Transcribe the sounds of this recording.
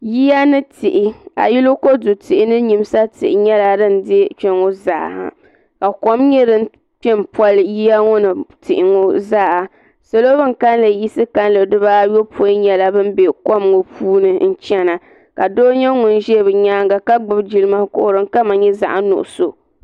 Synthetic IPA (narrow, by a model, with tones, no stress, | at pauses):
ji˦ja˦nɨ˦tɪ˨ʔɪ˦a̰˨ji˦lo˦ko˦du˨tɪ˨ʔɪ˦nɨ˦ɲi˨m˦sa˦tɪ̰˨ʔɪ˨ɲɛ˦la˨dɨ˦n˦dɪ˦t͡ʃɛ˦ŋo˦za̰˨ha̰˨ | ka˨ko˦mɲɛ˦dɨ˦n˦ | pɛ˦m˨pɔ˦lɨ˦ji˦ja˦ŋʊ˦nɨ˨tɪ˨ʔɪ˨ŋo˦zaː˦˨a˨ | sa˨lo˦bɨ˦ŋka˦nlɨ˨ji˦sɨ˦ka˦nlɨ˨dɨ˦βa˦jo˦pʰo˨˦i˦ɲɛ˦la˦bɨ˦nbe˨ko˦mŋo˨pʰuː˦nɨ˨n̩˦t͡ʃɛ˦na˨ | ka˨doː˦ɲɛ˦ŋʊ˨n˦ʒɛ˦˨bɨ˨ɲaː˦ŋɡa˨ka˦ɡ͡bɨ˨bd͡ʒi˨lɨ˦ma˦kʊ̰˦ʔʊ˨ɾɨ˨ŋ˦ka˦ma˨ɲɛ˦za̰˨ʔa˦nʊ̰˨ʔʊ̰˨so˦˨